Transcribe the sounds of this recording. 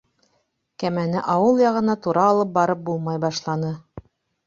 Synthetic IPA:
kæmænɘʔɑwɤlˠjɑʁɤ̆nɑt̪uɾɑːlˠɤp̚bɑɾɤp̚bulˠmɑjbɑʃlˠɑnɤ

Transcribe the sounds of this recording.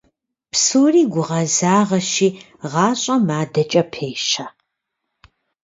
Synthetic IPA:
psoːriːɡʷʊʁɐzaːʁɐʃiː | ʁɑːɕʼɐmaːdɐt͡ʃʼɐpʰeːʃɐ

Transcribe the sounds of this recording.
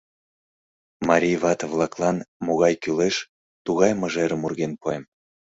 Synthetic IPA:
mɑɾʲijβɑt̪vlˠɑklˠɑnmoɣɑjkyleʃ | t̪uɣɑjməʒeɾəmurɣenpoem

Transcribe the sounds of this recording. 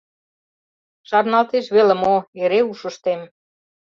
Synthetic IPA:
ʃɑrnɑlt̪eʃβelĕmoeɾeuʃə̆ʃt̪em

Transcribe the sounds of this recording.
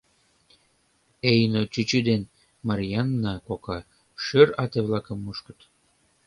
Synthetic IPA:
ejnot͡ɕyt͡ɕyd̪en | mɑɾjɑnːɑkokɑ | ʃøɾɑt̪eβlɑkə̆mːuʃkə̥̆t̪

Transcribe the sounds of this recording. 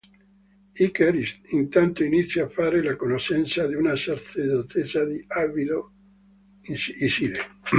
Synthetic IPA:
ikeɾist̪int̪ant̪oinit̪sːjaːfːaːɾelakonoʃɛnt̪sad̪iunasaɾsed̪ot̪ʰesad̪iavid̪o | isid̪e

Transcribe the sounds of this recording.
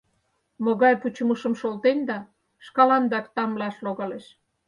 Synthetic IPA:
moɣɑjput͡ɕuməʃə̆mʃolt̪end̪ɑ | ʃkɑlɑnd̪ɑkt̪ɑmlɑʃloɣɑleʃ

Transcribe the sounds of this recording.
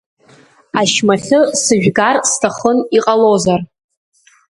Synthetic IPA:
aʃmaχʲɨsɨʒᶣɡarstʰaχəniqʼalozar

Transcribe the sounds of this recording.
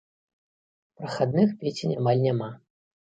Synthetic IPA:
pɾɐxad̪̚nɨxpʲet͡sʲinʲamalʲnʲama

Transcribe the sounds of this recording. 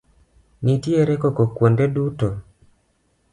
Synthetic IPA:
nitieɾekɔkɔkwondeduto

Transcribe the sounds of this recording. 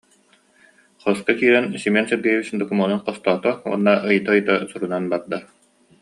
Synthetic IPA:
χɔskakiːɾɛnsimɛnsɛɾɡɛjɛβisnd̪ɔkumɔnunqɔst̪ɔːt̪ɔṵnːaʔɯjɯt̪aɯjt̪asuɾunanbaɾd̪a

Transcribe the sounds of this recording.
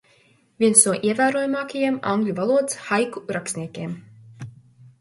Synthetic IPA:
vʲiɛnsnuɔʔiɛvæːɾuɔjmaːkajimã̰ŋɡlʲuvalˠuɔd̪sxajkuɾaksnʲiɛkʲeːm

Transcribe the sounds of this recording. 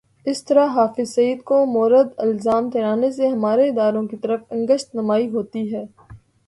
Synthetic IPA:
ɪst̪ɐɾaɦaːfɪzsɐiːd̪komɔːɾəd̪ɪlzaːmt̪ʰeːɾaːneseɦɐmaːɾeɪd̪aːɾõkit̪ɐɾəfɐ̃ŋɡəʃt̪nɐmaːiɦoːt̪iɦɛː

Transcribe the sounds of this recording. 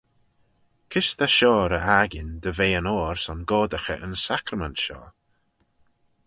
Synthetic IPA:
kʰɪst̪aʃɔːɾəʔaɡɪnd̪əveːənoːɹsɔnɡɔːd̪əxə̰ʔənsakɾəmɛntʃɔ̰ː

